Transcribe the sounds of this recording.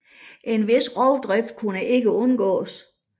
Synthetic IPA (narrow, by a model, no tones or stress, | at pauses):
ʔe̝nʋe̝sʁɒʊd̥ʁɛfd̥̚kʰunəʔe̝ɡ̥əɔ̽nɡ̥ɔ̰̽ːs